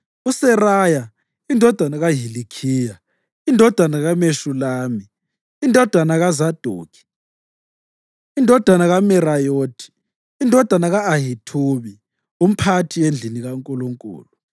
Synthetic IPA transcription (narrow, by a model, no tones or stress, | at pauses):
usɛraja | indʱɔd̥ʱanaɣaɦilikʰiːja | indʱɔd̥ʱwanaɣameʃulaːmiː | ndʱɔd̥ʱwanaɣazad̥ʱṵːkʰi̥ | indʱɔd̥ʱanaɣamɛrajoːtʰi̥ː | ndʱɔd̥ʱwanaɣaːɦitʰuβi | um̩pʰatʰiend͡ɮʱiniɣaŋkʼuluŋkʼṵːlu